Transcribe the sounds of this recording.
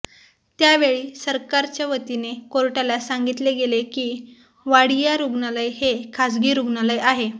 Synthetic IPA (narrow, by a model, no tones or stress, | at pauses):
t̪jaʋeɭiːsəɾkaɾt͡ɕjaʋət̪inekoɾʈalasaŋɡit̪leɡelekiː | ʋaɽijaɾuɡnaləjhekʰasɡiːɾuɡnaləjaɦe